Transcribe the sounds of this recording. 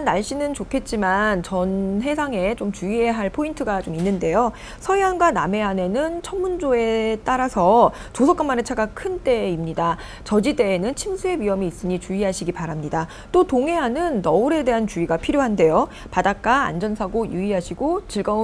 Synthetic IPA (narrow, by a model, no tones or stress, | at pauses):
nːaɭɕ͈inɯnt͡ɕokʰe̞t̚t͡ɕ͈imant͡ɕʌnɦe̞sʰaŋe̞t͡ɕomt͡ɕuie̞ɦaɭpʰointʰɯɡat͡ɕominːɯnde̞jo | sʰʌiɦanɡwaname̞ɦane̞nɯnt͡ɕʰʌnːund͡ʑoe̞t͈aɾasʰʌ | t͡ɕosʰʌk͈amane̞t͡ɕʰaɡakʰɯnt͈e̞imɲida | t͡ɕʌd͡ʑide̞ːnɯnt͡ɕʰimsʰue̞wɥiɦʌmiːs͈ɯɲit͡ɕuiɦaɕʰiɡipaɾamɲida | t͈otoŋe̞ɦanɯnːʌuɾe̞de̞ɦant͡ɕuiɡapʰiɾjoɦande̞jo | padak̚k͈aa̰nd͡ʑʌnsʰaɡojuiɦaɕʰiɡot͡ɕɯɭɡʌ